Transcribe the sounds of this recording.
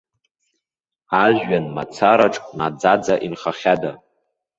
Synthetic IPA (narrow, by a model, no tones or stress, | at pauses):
aʒɥanma̰t͡sʰaɾaʈ͡ʂʼnad͡zad͡zaʔinχaχʲada